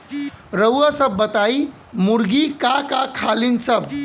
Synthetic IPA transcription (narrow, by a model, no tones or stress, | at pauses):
ɾəwasəbːət̪ai | muɾɡikakakʰalinsəb